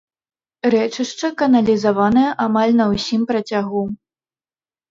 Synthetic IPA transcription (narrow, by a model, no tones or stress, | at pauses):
ɾɛt͡ʂɨʂt͡ʂɐkɐnɐlʲizavanɐjɐʔamalʲnɐwsʲimpɾɐt͡sʲaɣu